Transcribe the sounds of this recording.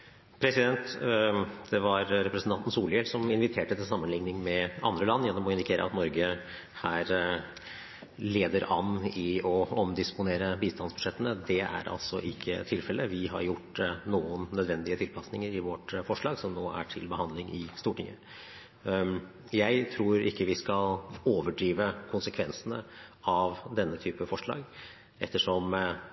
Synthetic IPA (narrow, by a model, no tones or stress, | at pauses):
pʰɾɛsɪd̪ɛnt̪ | d̪̥ɛʋɑɾɾɛpɾəsn̩t̪ɑnt̪n̩suːljɛlsɔmɪnʋɪt̪ʰeːʈət̪ɪlsɑmːənlɪŋnɪŋmɛɑ̰nd̪ɾəlɑnːjɛnːɔmɔɪnd̪ɪkʰeːɾə̰ɑ̰t̪nɔɾɡə | hæːɾ | leːd̪əɾɑnɪɔɔmd̪ɪspʊneːɾəbiːst̪ɑnsbʉ̥ʂɛt̪ːənəd̪ɛæ̰ɾʔɑ̰lsɔʔɪkʰːə̰t̪ʰɪlfɛlːəʋɪɦɑ̰ɾjʊʈːnuːənːœd̪ʋɛnd̪ɪət̪ʰɪlpʰɑsnɪŋəɾɪʋɔʈfɔʂɭɑːɡsɔmnoːæ̰ʈʰɪlbəhɑnlɪŋʔɪst̪uːʈɪŋːə̰ | jæɪt̪ʰɾuːɾɪkːəʋɪskɑloːʋəɖɾiːʋəkʰʊnsəkʰʋɛnsənəɑʋd̪ɛnːət̪ʰyːpəfɔʂɭɑ̰ːɡ | ʔɛt̪ːəʂɔm